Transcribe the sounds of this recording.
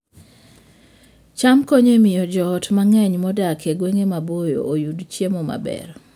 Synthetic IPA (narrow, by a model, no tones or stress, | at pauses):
t͡ʃamkoɲemɪjɔd͡ʒɔːtmaŋɛɲmɔdakeɡweŋemabojo̰ojudt͡ʃjemɔma̰bɛ̰r